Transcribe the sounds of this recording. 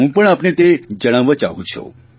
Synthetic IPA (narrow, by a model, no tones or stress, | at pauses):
ɦũpəɳapnet̪ed͡ʒəɽ̃aʋat͡ʃa̰ɦũt͡ʃʰṵ̃